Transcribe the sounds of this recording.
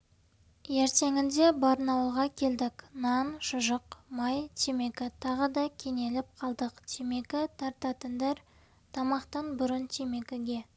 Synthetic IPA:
je̞ɾt̪e̞ŋɪnd̪e̞bɑɾnɑwəlˠʁɑkʲʰe̞ld̪ɪknɑnʃəʒəqmɑjt̪ʰeme̞kʲɪt̪ʰɑʁəd̪ɑkʲʰe̞ŋe̞lɪp̚qʰɑlˠd̪əqt̪ʰeme̞kʲɪt̪ʰɑɾt̪ɑt̪ənd̪ɑɾ | t̪ʰɑmɑqt̪ɑnbʊɾənt̪ʰeme̞kʲɪɡʲe̞

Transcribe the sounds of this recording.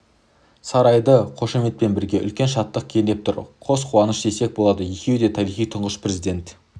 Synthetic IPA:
sɑɾɑjd̪əqʰo̞ʃeme̞t̪̚pe̞nbɪɾɡʲe̞ʔʏ̰lkʲe̞nʃɑt̪ːəq̚kʲʰend̪e̞p̚t̪ʰʊɾqʰo̞sqʰuwɑnəʃd̪e̞se̞k̚bo̞lˠɑd̪əje̞kʲe̞wd̪e̞t̪ʰɑɾijχijt̪ʰəɴʁəʃpre̞zijd̪ʲe̞nt̪

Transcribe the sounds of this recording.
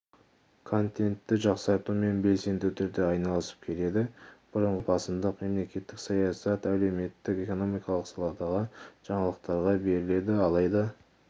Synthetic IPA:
kʰo̞nt̪e̞nt̪ːɪʒɑqsɑɾt̪ume̞nbe̞lse̞nd̪ut̪ʰʏɾd̪e̞ɑjnɑlˠəsə̥p̚kʲʰe̞le̞d̪ɪb̥ʊɾəɴʁəbɑsəmd̪əqme̞mle̞kʲe̞t̪ːɪksɑjɑsɑt̪æle̞wme̞t̪ːɪke̞ko̞no̞mijkɑlˠəqsɑlˠɑd̪ɑʁɑʒ̥ɑɴɑlˠəq̚t̪ɑɾʁɑbe̞ɾɪle̞d̪ɪɑlˠɑjd̪ɑ

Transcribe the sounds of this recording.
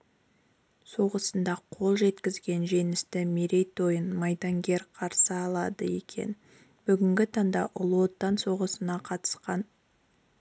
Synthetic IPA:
so̞ʁəsənd̪ɑqʰo̞lˠʒe̞t̪kʲɪzɡʲe̞nʒe̞nɪst̪ɪmeɾe̞jt̪o̞jənmɑjd̪ɑŋɡʲe̞ɾqʰɑɾsəɑlˠɑd̪əje̞kʲʰe̞̰n | b̥ʏɡʲɪŋɡʲɪt̪ʰɑŋd̪ɑ̰ʔʊlˠo̞t̪ːɑnso̞ʁəsənɑqʰɑt̪ə̥sqɑn

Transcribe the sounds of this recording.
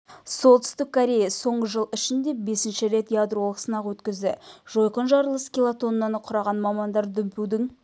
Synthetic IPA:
so̞lˠt̪ʏ̥st̪ɪkʰːoɾʲe̞jɑso̞ɴʁəʒəlˠɪʃɪnd̪e̞be̞sɪnʃɪɾe̞t̪jad̪ɾo̞lˠəksənɑqwɵt̪kʲɪzd̪ɪʒ̥o̞jqənʒɑɾəlˠəskʲilˠat̪o̞nːɑnəqʰʊɾɑʁɑnmɑmɑnd̪ɑɾd̪ʏmpuwd̪ɪŋ

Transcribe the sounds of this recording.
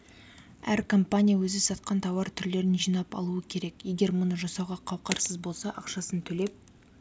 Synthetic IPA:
æɾkʰo̞mpanʲijawɵzɪsɑt̪̚qɑnt̪ʰɑwɑɾt̪ʰʏɾle̞ɾɪnʒijnɑpɑ̰lˠuəkʲʰe̞ɾe̞kje̞ɡʲe̞ɾmʊnəʒɑsɑwʁɑqʰɑwqɑɾsəzbo̞lˠsɑʔɑqʃɑsənt̪ʰɵle̞p̚

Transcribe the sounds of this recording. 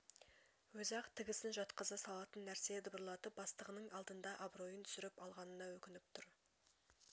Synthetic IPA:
wɵzɑqt̪ʰɪɡʲɪsɪnʒɑt̪qəzɑsɑlˠɑt̪ənːæɾse̞d̪ɪbəɾlˠɑt̪əp̚bɑst̪əʁənəɴɑlˠd̪ənd̪ɑʔɑbɾo̞jənt̪ʰʏ̥sɪɾɪpɑlˠʁɑnənɑwɵkʲɪnɪp̚t̪ʰʊɾ

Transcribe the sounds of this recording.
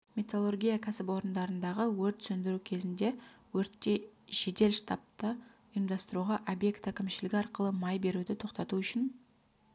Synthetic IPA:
mʲet̪olˠorɡʲijakʲʰæsɪpwo̞ɾənd̪ɑɾənd̪ɑʁəwɵɾt̪sɵnd̪ɪɾukʲʰe̞zɪnd̪e̞wɵɾt̪ːe̞ʒ̥e̞d̪e̞lʃt̪ɑp̚t̪ə | əjəmd̪ɑst̪əɾuʁɑʔobje̞kt̪ækʲɪmʃɪlɪɡʲɑɾqəlˠəmɑjbe̞ɾud̪ɪt̪ʰo̞qt̪ɑt̪uʏʃɪn

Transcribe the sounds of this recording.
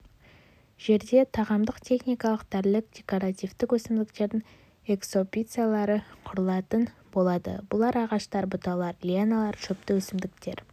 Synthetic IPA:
ʒ̥e̞ɾd̪e̞t̪ʰɑʁɑmd̪əqt̪ʰe̞χnʲijkɑlˠəqd̪æɾlɪk̚d̥̪ʲe̞koɾat̪ijvt̪ɪkwɵsɪmd̪ɪkt̪e̞ɾd̪ɪŋ | e̞kso̞pʲit̪sɨjalˠɑɾəqʰʊɾəlˠɑt̪ənbo̞lˠɑd̪ə̰bʊlˠɑɾɑʁɑʃt̪ɑɾbʊt̪ɑlˠɑɾlʲienalˠɑɾʃʰɵp̚t̪ɪwɵsɪmd̪ɪkt̪e̞ɾ

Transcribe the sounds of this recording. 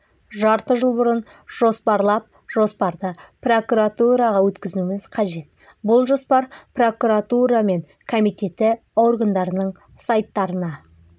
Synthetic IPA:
ʒɑɾt̪əʒəlˠbʊɾən | ʒ̥o̞spɑɾlˠɑp̚ | ʒo̞spɑɾd̪əpro̞kuɾat̪uɾɑʁɑwɵt̪kʲɪzɪumɪz̥qʰɑʒe̞t̪̚ | bʊlˠʒo̞spɑɾpro̞kuɾat̪uɾɑme̞ŋ | kʰomijt̪e̞t̪ːɪ | owrɡand̪ɑɾənəɴ | sɑjt̪ːɑɾənɑ

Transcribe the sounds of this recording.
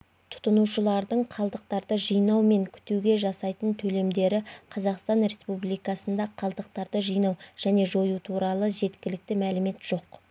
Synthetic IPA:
t̪ʰʊ̥t̪ənuʃəlˠɑɾd̪əɴqʰɑlˠd̪əq̚t̪ɑɾd̪əʒijnɑwme̞ŋkʲʰʏ̥t̪ewɡʲe̞ʒɑsɑjt̪ənt̪ʰɵle̞md̪e̞ɾɪqʰɑzɑqst̪ɑnɾe̞spublˠijkɑsənd̪ɑqʰɑlˠd̪əq̚t̪ɑɾd̪əʒijnɑwʒ̥æne̞ʒo̞jut̪ʰuɾɑlˠəʒe̞t̪kʲɪlɪk̚t̪ɪmælɪme̞t̪ʒ̥o̞q

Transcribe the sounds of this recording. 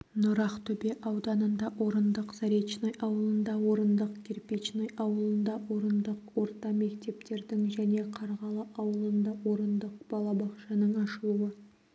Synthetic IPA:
nʊɾɑqt̪ʰɵbeʔɑwd̪ɑnənd̪ɑwo̞ɾənd̪əqzɑɾet͡ʃnojʔɑwəlˠənd̪ɑwo̞ɾənd̪əqkʲʰeɾpet͡ʃnojɑwəlˠənd̪ɑwo̞ɾənd̪əqwo̞ɾt̪ɑme̞kt̪e̞pt̪e̞ɾd̪ɪŋʒæne̞qʰɑɾʁɑlˠəʔɑwəlˠənd̪ɑwo̞ɾənd̪əq̚b̥ɑlˠɑbɑqʃɑnəɴɑʃəlˠuwə

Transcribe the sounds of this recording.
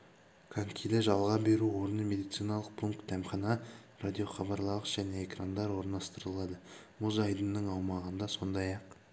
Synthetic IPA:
kʰaŋkʰʲijd̪eʒɑlˠʁɑbe̞ɾuwo̞ɾənəmʲe̞d̪ijt̪sijnɑlˠəq̚pʰuŋkt̪̚d̪æmχɑnɑrad̪ʲijo̞χɑbɑɾlˠɑəʒ̥æne̞ekrand̪ɑɾwo̞ɾnɑst̪əɾəlˠɑd̪ə | muzɑjd̪ənːəɴɑwmɑʁənd̪ɑso̞nd̪ɑjɑq

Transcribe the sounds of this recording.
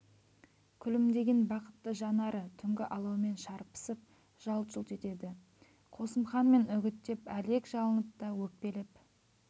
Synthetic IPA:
kʲʰʏlɪmd̪e̞ɡʲe̞nbɑqə̥t̪ːəʒɑnɑɾət̪ʰʏŋɡʲɪʔɑlˠɑwme̞nʃɑɾpə̥səp̚ | ʒ̥ɑlˠt̪ʒʊlt̪e̞t̪e̞d̪ɪ | qʰo̞səmχɑnme̞nʏɡʲɪt̪ːe̞pæle̞kʒɑlˠənəp̚t̪ɑwɵk̚pe̞lɪp

